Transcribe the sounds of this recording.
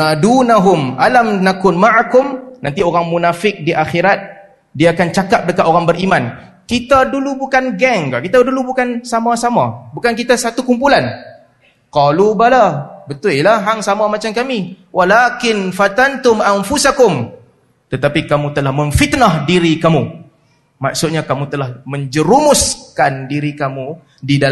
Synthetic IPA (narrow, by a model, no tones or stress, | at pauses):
adunaɦʊmalamnakʊnmaʔakʊmnant̪ioɾaŋmunafɪk̚diʔaxiɾat̪̚ | diaːkant͡ʃakap̚dəkat̪ʔoɾaŋbəɾʔimãn | kit̪adulubukanɡɛŋka̰ʔkit̪adulubukansamasamã̰bukankit̪asat̪ukumpulan | qɔlubalabət̪ʊilaɦaŋsamamat͡ʃamkamiwʔalakɪnfat̪ant̪ʊmanfusakʊm | t̪ət̪apikamũt̪əlahmə̃ɱfit̪nahdiɾikamu | maksʊt̪̚ɲakamut̪əlahmə̃ɲd͡ʒəɾumʊskandiɾikamu | didal